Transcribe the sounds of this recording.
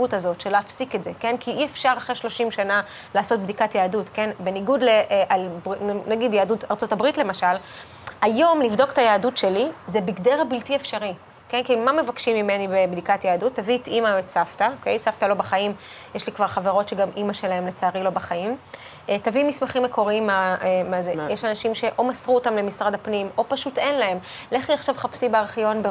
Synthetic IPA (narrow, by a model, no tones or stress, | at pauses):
utazo̞tʃeleːfsiketzeke̞nkiʔiefʃaʁaχʁeʃlo̞ʃimʃana | laːso̞t̚bdikatjaːdutke̞nbe̞niɡudleʔʔalbinnaɡidjaːdutaʁt͡so̞tabʁitle̞maʃal | ajo̞mlivdo̞ktajaːdutʃe̞lizebiɡdeʁabiltiefʃaʁi | kenkilumame̞vakʃimime̞nibebdikatjeːdutːavitimaetsaftaoke̞jsaftalo̞baχaim | jɛʃlikvaʁχaveʁo̞tʃeɡamʔimaʃe̞lae̞mlet͡saːʁilo̞baχaim | ʔtavimismaχimːe̞kʰo̞ʁimamazejeʃanaʃimʃe̞ʔo̞masʁuotamle̞misʁadhapnimo̞paʃute̞nlae̞m | leχliaχʃavχapsibeaʁχjo̞nbe